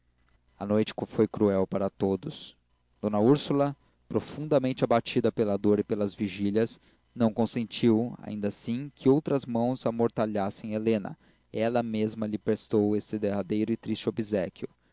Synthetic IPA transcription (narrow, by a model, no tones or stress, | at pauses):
ɐnojt͡ʃɪ̥kfojkɾuɛwpaɾɐt̪od̪ʊs | d̪̥õnɐuɾsulɐ | pɾofũnd̪ɐmẽnt͡ʃɪabat͡ʃid̪ɐpelɐd̪oɾɪpelɐzviʒiʎʲɐs | nɐ̃w̃kõsẽnt͡ʃiwa̰ĩnd̪ɐsĩkʰɪowt̪ɾɐzmɐ̃w̃zamoɾt̪aʎasẽj̃elẽnɐ̰ | ɛlɐmezmɐʎɪpɾest̪owesɪd̪eɦad̪ejɾʊɪt̪ɾist͡ʃɪobizɛkʲjʊ